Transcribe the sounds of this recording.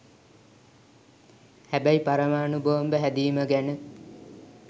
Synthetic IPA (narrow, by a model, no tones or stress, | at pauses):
hæbæjipaɾəmaːnubəʋəmbəɦæd̪iːməɡænə